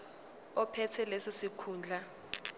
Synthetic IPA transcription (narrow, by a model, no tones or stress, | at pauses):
ɔpʰɛtʰɛlesisikʰuːnd͡ɮʱa